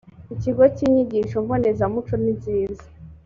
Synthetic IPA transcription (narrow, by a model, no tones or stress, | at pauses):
iciɡociɲiɟiʃoɱvonezamut͡ʃoniziːzḁ